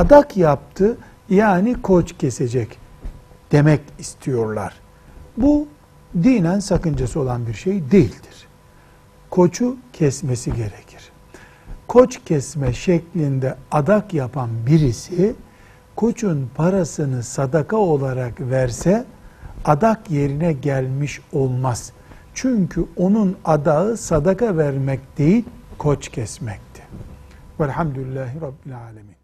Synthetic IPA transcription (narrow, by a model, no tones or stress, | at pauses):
ad̪akjap̚t̪ʰɯ | jaːnikʰo̞t͡ʃcʰɛsed͡ʒɛc | d̪̥e̞mɛcist̪ʰijo̞ɾlˠa̰ɾ̥ | bu | d̪iːnænsakɯnd͡ʒasɯo̞lˠanbiɾʃejd̪ejilʲd̪iɾ̥ | kʰo̞t͡ʃʰucʰɛsmesiɟe̞ɾecʰi̥ɾ̥ | kʰo̞t͡ʃcʰɛsmɛʃɛclʲind̪ɛad̪akjapʰanbiɾisi | kʰo̞t͡ʃʰunpʰaɾasɯnɯsad̪akʰao̞lˠaɾakvæɾsɛ | ad̪akje̞ɾinɛɟælʲmiʃo̞lˠmaz̥ | t͡ʃʰyɲcʰyo̞nunad̪aɯsad̪akavæɾmɛcd̪̥e̞jilʲkʰot͡ʃcʰɛsmɛc̚t̪ʰi̥ | vɛlʲhamd̪uilʲːaːɦiɾɑbːilʲaːlʲamiːn